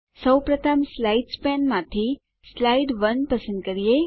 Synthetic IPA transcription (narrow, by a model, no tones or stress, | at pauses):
səwpɾət̪ʰəmslaiɖspɛnmãt̪ʰi | slaiɖʋənpəsə̃nd̪kəɾije